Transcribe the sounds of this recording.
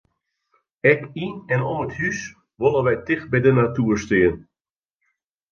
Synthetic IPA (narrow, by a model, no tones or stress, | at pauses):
ɛkinɛnoːəthys | ʋolˠənʋɛjtɪxbɛjdənatuəɹstɪən